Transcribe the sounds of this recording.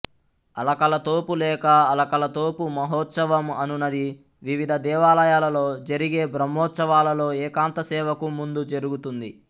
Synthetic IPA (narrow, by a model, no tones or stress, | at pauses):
ɐlɐkɐlɐt̪oːpulɛːkɐːlɐkɐlɐt̪oːpumɐɦɔːt̪sɐʋɐmɐnunːɐd̪i | ʋiʋid̪ʱɐd̪ɛːʋaːlɐjaːlɐlo̞ːd͡ʒɐɾiɡe̞ːbɾɐmːɔːt̪sɐʋaːlɐlo̞ːɛːkaːnt̪ɐsɛːʋɐkumund̪ud͡ʒɐɾuɡut̪und̪i